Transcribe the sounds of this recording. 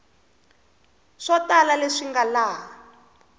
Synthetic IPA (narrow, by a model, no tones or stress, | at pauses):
ʂatalaleʂiŋɡalaː